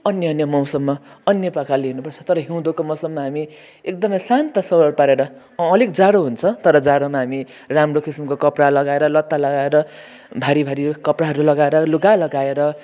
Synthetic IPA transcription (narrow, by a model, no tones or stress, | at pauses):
ʌnjʌʌnjʌmʌw̃sʌbːaʌnjʌpakaleɦunupʌrt͡sʰʌt̪ʌɾʌɦiw̃d̪okomʌ̃wsʌbmaɦami | ek̚d̪ʌmʌjsant̪ʌsʌwʌrpaɾeɾʌː | likd͡zaɾoɦunt͡sʰʌt̪ʌɾʌd͡zaɾomaɦami | ramrokisimkokʌpralʌɡaeɾʌlʌt̪ːalʌɡaeɾʌ | bʱaɾibʱaɾikʌpraɦʌɾulʌɡaeɾʌluɡalʌɡaeɾʌ